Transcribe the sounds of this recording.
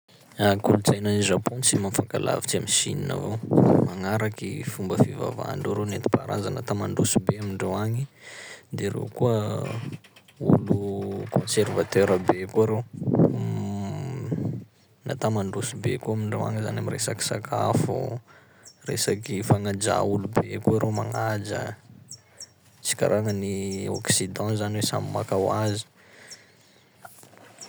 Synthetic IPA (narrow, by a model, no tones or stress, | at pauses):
akulut͡sajnaniʒapõnt͡simamfakala̰vit͡siamisḭnina̰vomaŋaɾakifumbəfiva̰va̰ɳɖ͡ʐaɾenet̪i̥paɾa̰zanat̪amaɳɖ͡ʐusubeamiɳɖ͡ʐoaŋid̪eɾḛwkuə | ulukʰõnservat̪eɾabekuaɾew | na̰t̪amaɳɖ͡ʐusubḛkuamiɳɖ͡ʐowa̰ŋzanamiresaki̥sakʰa̰fṵ | resakifaŋad͡ʒa̰ulubekuaɾʔemaŋad͡ʒə̰ | t͡si̥ka̰ɾʔaŋənioksid̪ɑ̃zaniwesa̰mima̰kawazi̥